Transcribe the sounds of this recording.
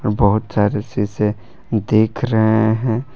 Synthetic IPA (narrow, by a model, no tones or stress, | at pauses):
ɾbəɦʊt̪saːɾesise | d̪eːkʰɾɐɦeɦɛ̃ː